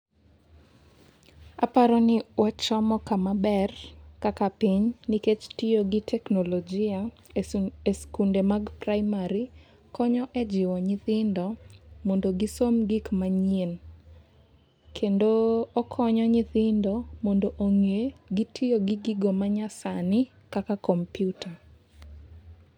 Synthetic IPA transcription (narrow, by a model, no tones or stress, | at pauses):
apaɾɔnɪwat͡ʃɔmɔkamabɛrkakapiɲniket͡ʃtɪjoɡɪtʰɛknolod͡ʒia | eskundemaɡpraɪmaɾi | kɔɲɔʔɛd͡ʒɪwɔɲɪθɪndɔmɔndoɡisomɡikmaɲen | kʰendoːkʰɔɲɔɲɪθɪndɔmɔndoʔoŋeɡitʰɪjoɡiɡiɡomaɲasanɪ | kakakɔmpjuta